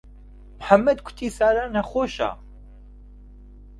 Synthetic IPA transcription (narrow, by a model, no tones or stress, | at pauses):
mħamːɐd̪kʷʰʊ̥t̪ʰiːsaːɾanaxoːʃa̰